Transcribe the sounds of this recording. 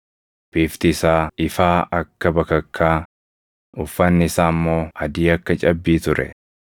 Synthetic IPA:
b̥iːft̪ɪɪsaːɪfaːʔɐkːɐbɐkɐkʰːaː | ʊfːɐnːɪɪsaːmːo̞ːɐd̪iːɐkːɐt͡ʃʼɐbːiːt̪ʊɾɛ̰

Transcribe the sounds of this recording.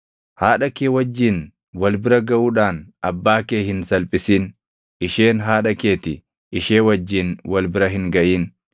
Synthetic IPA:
haːᶑɐkeːwɐd͡ʒːiːn | wɐlbɪɾɐɡɐʔuːᶑaːnɐbːaːkeːhɪnsɐlpʼɪsiːn | ɪʃe̞ːnɦaːᶑɐke̞ːt̪ɪ | ɪʃeːwɐd͡ʒːiːnwɐlbɪɾɐɦɪŋɡɐʔiːn

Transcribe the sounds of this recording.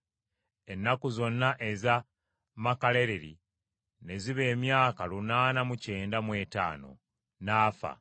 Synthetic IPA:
e̞nːakuzo̞nːaʔe̞za | makale̞ɾeɾḭ | ne̞ziβe̞ːmjaːkalunaːnamuce̞ːndamwe̞ːta̰ːno̞̰ | naːfa̰

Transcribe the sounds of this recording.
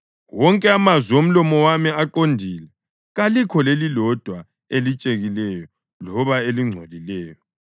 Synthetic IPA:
wɔŋkʼɛamazwiom̩lɔmɔwamiaǃondʱilɛ | ɣalikʰɔlelilɔd̥ʱwa | elit͡ʃʼeɣilɛjɔ | lɔβaeliŋ͡ǀʱolilɛːjɔ

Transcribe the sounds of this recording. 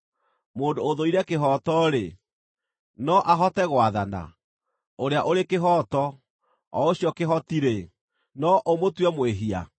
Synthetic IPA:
moːndooðoiɾɛkeɦɔːtɔɾe | nɔʔaɦɔtɛɣwaðana̰ | oɾeaʔoɾekeɦɔːtɔ | ɔoɕijɔkeɦɔtiɾe | nɔʔomotwɛmweɦia̰

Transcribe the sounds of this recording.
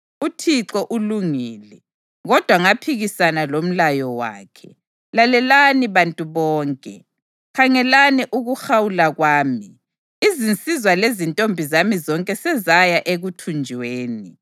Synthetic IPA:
utʰiǁɔʔuluŋiːlɛ | ɣɔd̥ʱwaŋapʰiɣisanalom̩lajɔwa̰ːkʰɛ̰ | lalɛlaniβantʼuβɔːŋkʼɛ̰ | kʰaŋɛlaniʔuɣuxawulaɣwaːmi | izint͡sʼizwalezintʼombʱizamizɔŋkʼɛsɛzajaʔeɣutʰund͡ʒʱweːni

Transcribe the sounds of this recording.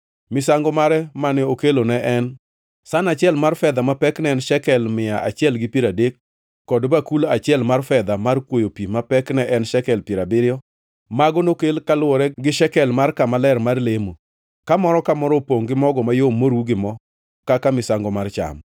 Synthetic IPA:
mɪsaŋɡɔmaɾɛmanɪokelonɛʔɛn | sanat͡ʃɪɛlmarfɛd̪amapɛknɛɛnʃɛkɛlmɪjaʔat͡ʃɪɛlɡɪpiɾadekː | ɔdbakulat͡ʃɪɛlmarfɛd̪amarkwojopimapɛknɛʔɛnʃɛkɛlpɪɾabɪɾɪɔ | maɡonokelkalwɔɾɛɡɪʃɛkɛlmarkamalɛrmarlemo | kamɔɾɔkamɔɾɔpoŋɡɪmɔɡɔmajomːoɾuɡɪmɔ | kakamɪsaŋɡɔmart͡ʃa̰m

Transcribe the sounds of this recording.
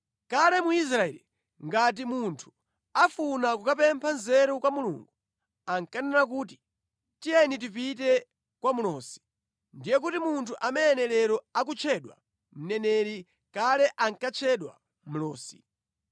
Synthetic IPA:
kalɛmuis̬ɾaɛ̰li | ŋɡat̬imuntʰu̥ | afunakukapɛmpʰanzɛɾukwamulṵːŋɡu | aŋkanɛnak̬uːti̥ | tiɛnit̬ipitɛ | kwamulɔːsi̥ | ndijɛk̬utimuntʰuʔamɛɛnɛlɛɾɔak̬ut͡ʃʰɛɗwa̰ | m̩nɛnɛɾi | kalɛʔaŋkat͡ʃʰɛɗwa̰ | m̩lɔːsi̥̰

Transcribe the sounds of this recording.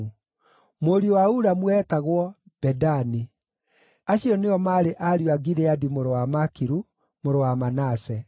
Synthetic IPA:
moɾiowauɾamwɛːtaɣwɔ | b̥ɛdani | aɕiɔneɔmaɾeʔaɾjwaɡiɾeadimoɾowamakiɾu | moɾowamanasɛ

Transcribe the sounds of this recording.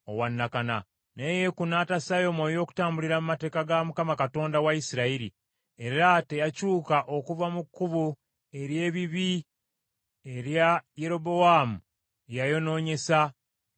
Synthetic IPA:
o̰wanːakana̰ | neje̞kunaːtasajo̞moːjo̞ːku̥taːmbuliɾamumate̞ːkaɡamukamakato̞ːndawaisiɾaiɾḭ | e̞ɾate̞jacuːkaʔokuvamukːuβu | e̞ɾje̞ːβiβi | eɾjaje̞ɾo̞bo̞aːmu | ejajo̞no̞ːɲe̞sa

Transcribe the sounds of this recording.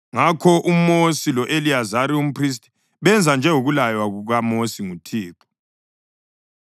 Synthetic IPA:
ŋakʰɔʔumosilɔʔeliazaɾium̩pʰris̬tʼi̥ | βɛnd͡zʱand͡ʒʱɛuɣulajwaɣuɣamosiŋutʰiːǁɔ̥

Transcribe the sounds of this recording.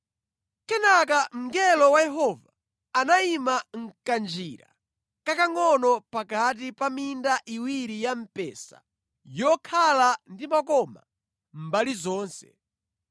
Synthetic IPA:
kɛnak̬am̩ɡɛlɔwajɛɦɔva | anaimaŋ̩kand͡ʒiɾa̰ | kakaŋɔnɔpakat̬ipamindaʔiwiɾijam̩pɛ̰ːsa̰ | jɔkʰalandimakɔma | m̩balizɔːnsɛ̰

